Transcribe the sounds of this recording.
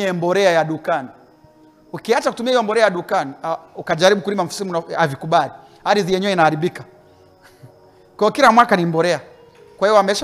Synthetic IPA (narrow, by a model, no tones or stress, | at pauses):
ɛmbɔɾɛajaɗukani | ukiat͡ʃaku̥tumiaijɔmbɔɾɛajaɗukaniaukaʄaɾiɓukuɾimam̩fu̥simunaavikuɓali | aɾizijɛɲɛwɛinahaɾiɓika | kwaijɔkilamwakanimbɔɾɛa | kwahiɔamɛʃ